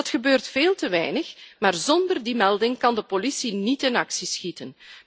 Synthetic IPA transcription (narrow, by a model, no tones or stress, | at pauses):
ɑtxəbøːrtfeːlˠtəʋɛ̰jnəxmaːrzɔndərdimɛlˠdɪŋkɑndəpolisinitɪnɑksisxitən